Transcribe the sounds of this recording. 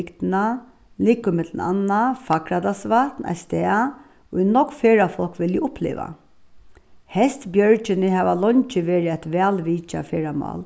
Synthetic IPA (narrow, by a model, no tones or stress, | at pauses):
kt̪na | liːkʊmɪt̪lna̰nːafakɾad̪asʋat̪na̰st̪ɛːa | ʊjnɔkfeːɹafɔlkʋɪljɪʊplḛːʋa̰ | hɛst̪bjœɹt͡ʃɪnɪɦɛːʋalɔɲt͡ʃɪʋeːɾɪat̪ʋæːlʋiːt͡ʃa̰feːɹamɑ̰ːl